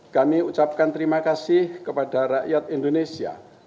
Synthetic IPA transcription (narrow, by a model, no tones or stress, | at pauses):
kamiut͡ʃap̚kant̪əɾimakasɪhkəpadaraʔjat̪̚indonesia̰